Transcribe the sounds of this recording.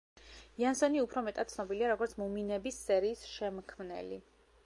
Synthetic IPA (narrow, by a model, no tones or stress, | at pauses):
jansɔniupʰɾɔmɛt̪ʼat̪̚sʰnɔbiliaɾɔɡɔɾt̪sʰmuminɛbisːɛɾiːsʃɛmkʰmnɛ̰lḭ